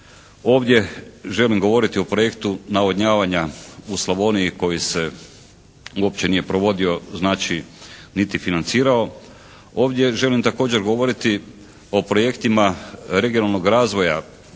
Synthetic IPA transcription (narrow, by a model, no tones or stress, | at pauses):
o̞ːʋd̪je̞ʒe̞limɡo̞ʋo̞ɾit̪io̞pɾo̞je̞kt̪unaoɲaːʋaɲauslˠaʋo̞ːniiko̞jise̞ | uop̚t͡ɕe̞nije̞pɾo̞ʋo̞d̪io̞znaːt͡ʃinit̪ifinant̪siːɾao̞ | o̞ːʋd̪ʲje̞ʒe̞limt̪ako̞ːd͡ʑe̞ɾɡo̞ʋo̞ɾit̪i | o̞pɾoje̞kt̪imaɾe̞ɡionalˠnoɡɾaːzʋo̞ja